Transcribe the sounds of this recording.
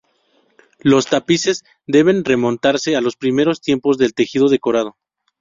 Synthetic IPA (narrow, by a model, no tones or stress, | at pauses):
lo̞st̪apise̞z | d̪e̞β̞e̞nre̞mõ̞nt̪aɾse̞alo̞spɾime̞ɾo̞st̪je̞mpo̞zðe̞lt̪e̞xiðo̞ðe̞ko̞ɾað̞o